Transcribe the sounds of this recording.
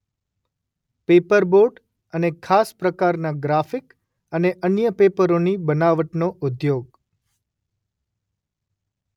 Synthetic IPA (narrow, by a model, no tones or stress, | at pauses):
pepəɾboɖ | ənekʰaspɾəkaɾnaɡɾafik | əneʔənjəpepəɾonibənaʋəʈnoʔʊd̪joɡ